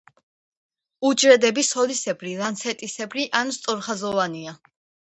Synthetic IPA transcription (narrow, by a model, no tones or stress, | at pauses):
ud͡ʒɾɛd̪ɛbisɔlisɛbʰɾilant̪sʰɛt̪ʼisɛbʰɾiʔanst̪ʼɔɾχazɔvania